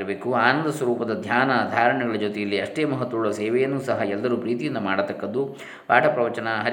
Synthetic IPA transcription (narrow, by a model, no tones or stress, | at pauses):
beːkuaːnɐnd̪ɐswɐɾuːpɐd̪ɐd̪ʱjaːnɐd̪ʱaːɾɐɳɛɡɐɭɐd͡ʒoːt̪ɛjɐlːiɐʂʈeːmɐɦɐt̪ʋɐuɭɐsɛːʋɛjɐnːusɐɦɐɛlːɐɾupɾiːt̪ijind̪ɐmaːɽɐt̪ɐkːɐd̪u | paːʈʰɐpɾɐʋɐt͡ʃɐnɐɦɐ